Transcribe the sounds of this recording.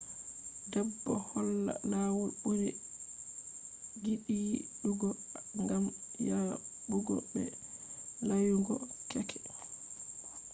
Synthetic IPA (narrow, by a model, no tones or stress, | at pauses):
dɛbːɔhɔlːa̰laːwulɓud͡ʒɛ | ɡiɗiːɗuɡɔ | ŋɡamjabuɡɔ̰ɓɛ̰ | lajuŋɡɔkɛkʰɛ̥